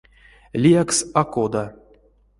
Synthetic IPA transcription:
lʲijaksakod̪a

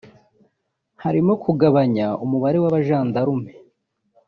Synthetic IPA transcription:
haɾimokʰuɡaβaɲaumuβaɾe̞waβaʒaːndaɾume

